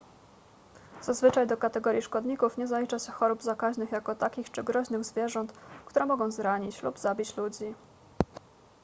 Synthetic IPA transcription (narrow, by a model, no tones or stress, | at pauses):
z̥azvɘt͡ʂajd̪ɔkat̪ɛɡɔɾʲjiʂkɔd̪ɲikufɲɛzalʲit͡ʂaɕɛxɔɾubzakaʑnɘxjakɔt̪akʲixt͡ʂɘɡɾɔʑnɘɣzvʲjɛʐɔnt̪kt̪uɾɛmɔɡɔ̃w̃zɾaɲit͡ɕlubzabʲit͡ɕlud͡ʑi